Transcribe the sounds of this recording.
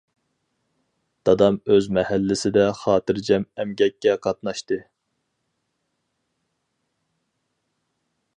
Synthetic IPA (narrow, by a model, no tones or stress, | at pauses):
d̪̥ɑd̪ɑmøzmɛhælːɪsɪd̪ɛχɑːt̪ɨɾd͡ʒɛmɛmɡʲɛkʲːɛqʰɑt̪̚nɑʃt̪ɨ